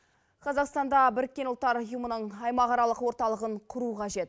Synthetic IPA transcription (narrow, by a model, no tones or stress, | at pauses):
qʰɑzɑqst̪ɑnd̪ɑbɪɾɪk̚ʲːe̞nʊlt̪ːɑɾʊjəmənəɴɑjmɑʁɑɾɑlˠəqwo̞ɾt̪ɑlˠəʁəɴqʰʊɾuqʰɑʒe̞t̪